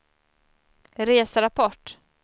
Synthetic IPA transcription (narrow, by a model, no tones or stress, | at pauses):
ɾeːsaɾapʰɔʈ